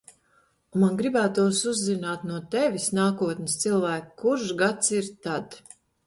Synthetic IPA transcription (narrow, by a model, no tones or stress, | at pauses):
umanɡɾibæːt̪uɔsuzːinaːt̪nuɔt̪ɛvʲisnaːkuɔt̪nʲɪst̪silˠvæːkːuɾʃɡat̪siɾt̪ad̪